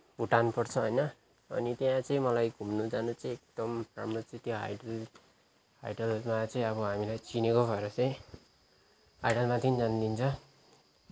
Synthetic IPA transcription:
b̥ʱuʈanupʌrt͡sʰʌɦʌjnʌ | ʌ̰nit̪jãt͡sʌĩmʌlajɡʱumnud͡zanut͡sʌĩek̚d̪̥ʌmra̰mɽʌt͡sʌĩt̪joɦa̰jɖʌl | a̰jɖʌlmat͡sʌĩʌbʌɦamilajt͡sinekobʰʱʌɾʌt͡sʌĩ | ajɖʌlmat̪ind͡zand̪int͡sʰʌ

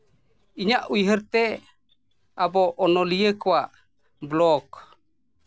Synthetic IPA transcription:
iɲaʔujɦəɾt̪ɛ | abɔʔːnɔlijəkɔwaʔ | blɔk

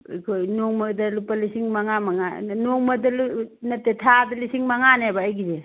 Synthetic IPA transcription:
kʰojnoŋmɐdɐlupalisiŋmaŋamaŋanoŋmɐdɐlnɐtetʰadɐlisiŋmaŋanebaːjɡize

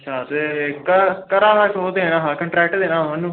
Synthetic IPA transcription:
əʃʰaːt̪eːkəkəɾaːʋaːkoːt̪eːeːnãːɦãːkəɳʈɾɛːk̚ʈd̪eːnãːmənːũː

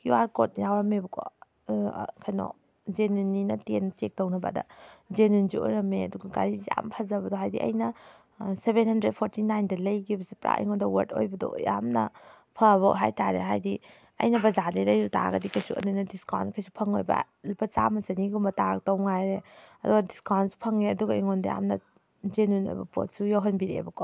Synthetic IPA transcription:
kiwaɾkot̚jawɾɐmebɐkʰo̰ | kʰajnɔ̰ | zenunːinɐtenːɐt͡ʃek̚townɐba̰dɐ̰zenunzio̰jɾɐmeɐduɡɐɡa̰ɾizija̰mpʰazɐbɐdɔɦajdḭʔɐ̰jnɐ | sebenhɐndɾed̚pʰoɾtinajndɐlɐjɡibɐsepɾʔa̰ʔḭŋodɐwɐ̰ɾtʰo̰jbɐdɔ̰ja̰mnɐ | pʰɐβɐɦajtaɾḛɦajdi | ɐ̰jnɐbɐzadejlɐjɾuta̰ɡɐdikʰɐjsuʔa̰nunɐdiskawnkʰajsu̥pʰɐŋo̰jba̰ | lpʰɐt͡ʃa̰mɐsɐniɡumbɐtaɾɐk̚tɐwŋajɾeɐduɡɐdiskawnsu̥pʰɐŋeɐduɡɐiŋɔndɐja̰mnɐ | zenunɐ̰bɐ̰po̰t̚sujɔɦɐnbiɾḛbɐkʰɔ

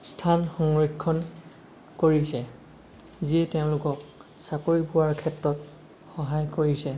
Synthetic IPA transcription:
stʰanxɔŋɹikʰːɔn | koɹisɛ | ziɛteʊ̃lʊkɔk̚ | sakoɹipʊwaɹkʰɛtɹɔt | xɔɦajkoɹisɛ

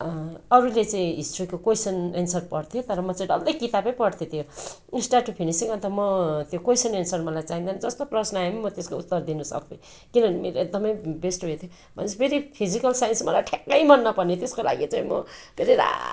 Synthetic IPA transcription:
ʌɾulet͡saĩɦisʈrikokojsʌnensʌrpʌɽt̪ʰjot̪ʌɾʌmʌt͡saĩɖʌld̪ʌjkit̪apʌ̃j̃pʌɽt̪ʰjot̪ʰjo | isʈaʈupʰinisiŋʌnt̪amʌt̪jokojsʌnensʌrmʌlajt͡saɦĩnd̪and͡zʌst̪oprʌsnʌajmimʌt̪eskout̪ːʌrd̪inusʌ̰ki | kinʌnimeɾoeɡ̚d̪ʌmʌjbesʈoɦet̪ʰjo | bʱʌnet͡sʰʌbeɾipʰizikʌlsajnsmʌlajʈʰekːʌjmʌnːʌpʌnit̪eskola̰ɡit͡saĩmʌ̰beɾiɾa̰

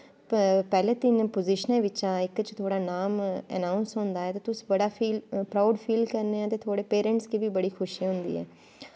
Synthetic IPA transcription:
pɛːlẽːt̪ɪnpoːzɪʃənẽːʋɪt͡ʃãːɪkt͡ʃt̪ʰoːɽaːnaːmɛ̰naːʊnsɦõːnd̪aːɛːt̪eːt̪ʊsbəɽaːpʰiːlpɾaːʊɖpʰiːlkəɾneːãːt̪eːt̪ʰoːɽeːpeːɾə̃ɳʈskiːbiːbəɽiːkʰʊʃiɦʊ̃nd̪ḭːɦɛ̰ː

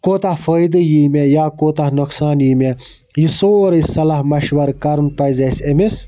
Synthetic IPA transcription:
koːt̪afəjd̪ɨjiːmʲejaːkoːt̪ahnuksaːnjiːmʲe | jisoːɾɐsɐlaɦmɐʃʋɐɾkɐɾunpɐjzɐsemis

